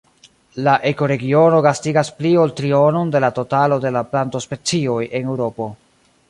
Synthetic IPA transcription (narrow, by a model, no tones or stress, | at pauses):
laʔe̞ko̞ɾe̞ɡio̞no̞ɡastiɡasplio̞ltɾio̞no̞nde̞lato̞talo̞de̞laplanto̞spe̞t͡sio̞jʔe̞ne̞wɾo̞po̞